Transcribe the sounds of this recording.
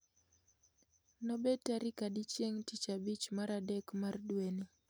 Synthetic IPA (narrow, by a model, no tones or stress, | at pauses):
nɔbetaɾikadit͡ʃjeŋtit͡ʃabit͡ʃmaɾadɛkmardweni